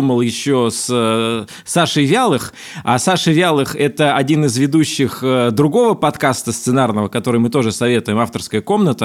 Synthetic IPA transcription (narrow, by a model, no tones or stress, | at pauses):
uməlˠjɪɕːos | saʂɨjvʲalˠɨx | asaʂɨvʲalˠɨxɛt̪əɐdʲinɨzvʲɪd̪uɕːɪxəd̪ɾʊɡo̞vəpɐt̪kast̪əst̪sɨnarnəvəkɐt̪o̞ɾɨjmɨt̪o̞ʐɨsɐvʲe̞t̪ʊjɪmaft̪ərskəjəko̞mnət̪ə